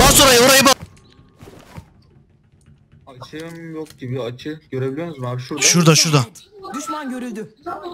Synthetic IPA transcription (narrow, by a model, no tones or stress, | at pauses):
basoɾajaoɾajɯba | at͡ʃʰɯmjokɟibiat͡ʃʰɯɟøɾebilʲijønuzmabʃuɾʃuɾd̪aʃuɾd̪ad̪yʃmanɟøɾylʲd̪y